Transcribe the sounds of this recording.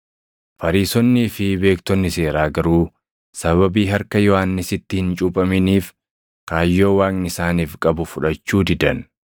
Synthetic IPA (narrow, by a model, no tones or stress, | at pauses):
fɐɾiːsɔnːifɪbe̞ːkt̪ɔnːɪse̞ːɾaːɡɐɾuː | sɐβɐbiːɦɐɾkɐjɔhaːnːɪsɪt̪ːɪhɪnt͡ʃʼʊpʼɐmɪniːf | kaːjːo̞ːwaːknɪsaːniːfkʼɐbʊfʊᶑɐt͡ʃːuːd̪ɪd̪ɐn